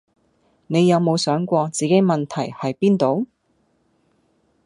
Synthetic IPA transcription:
ne˨˧jɐ˨˧wmo˨˧wsœː˨˥ŋkʷɔː˧t͡siː˨ke˨˥jmɐ˨nt̪ʰɐ˨˩jhɐ˨jpiː˥nt̪o˨˧˥w

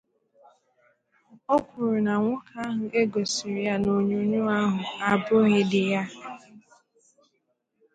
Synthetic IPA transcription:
o˦kʷu˨ɾu˨na˨ŋʷʊ˦ka˦ɦʊ˨ʔe˦ɡo˨si˨ɾi˦a˦no˨ɲu˦ɲu˦a˦ɦʊ˨a˨bo˦ɦe˦dɪ˨ja˦

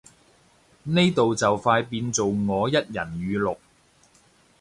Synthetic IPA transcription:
ne˥jt̪o˨wt͡sɐ˨wfaː˧jpiː˧nt͡so˨wŋɔː˨˧jɐ˥t̚jɐ˨˩njyː˨˧lʊ˨k̚

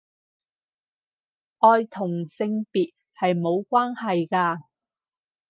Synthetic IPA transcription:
ʔɔː˧jt̪ʰʊ˨˩ŋsɪ˧ŋpiː˨t̚ | hɐ˨jmo˨˧wkʷwaː˥nhɐ˨jkaː˧

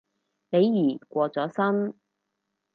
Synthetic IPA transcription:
ne˨˧jːiː˨˩kʷɔː˧t͡sɔː˨˥sɐ˥n

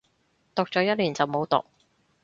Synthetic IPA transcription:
t̪ʊ˨k̚t͡ʃɔː˨˥jɐ˥t̚liː˨˩nt͡sɐ˨wmo˨˧wt̪ʊ̰˨k̚

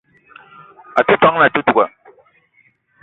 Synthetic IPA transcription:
a˨tu˦ta˦ŋ˦na˨tu˦tu˨ka˨

